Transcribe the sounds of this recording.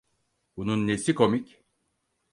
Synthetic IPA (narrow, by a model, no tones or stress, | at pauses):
bununːesiko̞mic